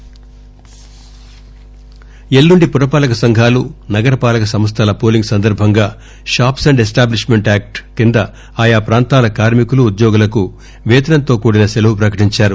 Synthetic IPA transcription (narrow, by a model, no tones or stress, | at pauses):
e̞lːuɳɖipuɾɐpaːlɐkɐsɐŋɡʱaːlunɐɡɐɾɐpaːlɐkɐsɐmɐs̬t̪ʰɐlɐpoːliŋɡsɐnd̪ɐɾbʱɐŋɡaː | ʃaːpsɐɳɖesʈaːbliʂme̞ɳʈaːk̚ʈkind̪ɐ | aːjaːpɾaːnt̪aːlɐkaːɾmikuluːd̪jɔːɡulɐku | ʋɛːt̪ɐnɐnt̪o̞ːkuːɽinɐselɐʋupɾɐkɐʈiɲt͡ʃaːɾu